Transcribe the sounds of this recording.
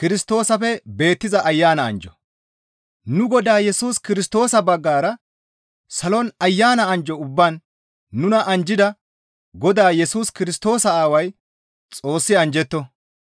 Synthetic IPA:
kɪɾɪst̪o̞ːsɐfɛbe̞ːt̪ːɪzɐʔɐjːaːnɐɐ̰nd͡ʒɔ̥ | nʊɡɔd̪aːjɛsuːskɪɾɪst̪o̞ːsɐbɐɡːaːɾɐ | sɐlɔnɐjːaːnɐɐnd͡ʒɔʊbːaːnː | ʊnɐʔɐnd͡ʒɪd̪ɐ | ɡɔd̪aːjɛsuːskɪɾɪst̪o̞ːsɐaːwɐj | t͡sʼo̞ːsːɪɐnd͡ʒɛt̪ːɔ

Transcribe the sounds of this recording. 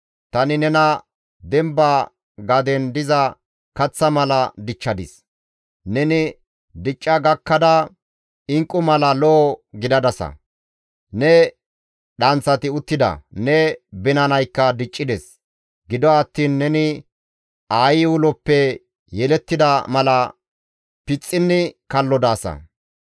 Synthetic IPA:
t̪ɐnɪnɛnɐ | d̪ɛmba | ɡɐd̪ɛnd̪ɪzɐ | kɐt͡sːɐmɐlɐd̪ɪt͡ʃːɐd̪ɪ̰s | nɛnɪ | d̪ɪt͡ʃʼːɐɡɐkːɐd̪ɐ | ɪŋkʼːʊmɐlɐlɔːɡɪd̪ɐd̪ɐsɐ̰ | nɛ | ɗɐnt͡sːɐt̪ɪʊt̪ːɪd̪ɐ̰nɛbɪnɐnɐjkːɐd̪ɪt͡ʃʼːɪd̪ɛs | ɡɪd̪ɔɐt̪ːiːnːɛnɪ | aːjɪwʊlɔpːɛ | jɛlɛt̪ːɪd̪ɐmɐlɐ | pɪt͡sʼːɪnːɪkɐlːɔd̪aːsɐ̰

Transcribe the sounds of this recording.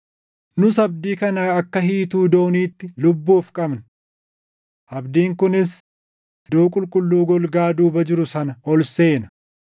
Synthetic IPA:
nʊsɐb̚d̪iːkɐnɐɐkːɐɦiːt̪uːd̪o̞ːniːt̪ːɪlʊbːuːfkʼɐbnɐ̥ | ʔɐbd̪iːŋkʊnɪs | d̪oːkʼʊlkʼʊlːuːɡɔlɡaːd̪uːbɐd͡ʒɪɾʊsɐnɐɔlse̞ːnɐ̥

